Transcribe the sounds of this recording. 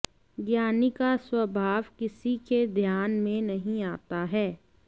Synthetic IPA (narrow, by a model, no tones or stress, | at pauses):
ɡjaːnikaswɐbʱaːʋkɪsiked̪ʱjaːnmẽnɐɦĩaːt̪aɦɛː